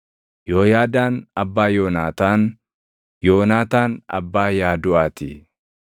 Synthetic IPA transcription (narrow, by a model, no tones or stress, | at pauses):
joːjaːd̪aːnɐbːaːjoːnaːt̪aːn | joːnaːt̪aːnɐ̰bːaːjaːd̪ʊaːt̪i